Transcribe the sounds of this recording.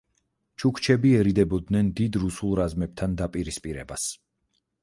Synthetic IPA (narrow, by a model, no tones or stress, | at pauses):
t͡ʃʰukʰt͡ʃʰɛbiɛɾid̪ɛbɔd̪nɛnd̪id̪ɾusulˠɾazmɛb̥̚t̪ʰand̪apʼiɾispʼiɾɛ̰bas